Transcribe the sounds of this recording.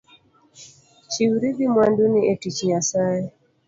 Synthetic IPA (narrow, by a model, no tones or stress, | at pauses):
t͡ʃiwuɾibimwanduniʔetit͡ʃijasajɛ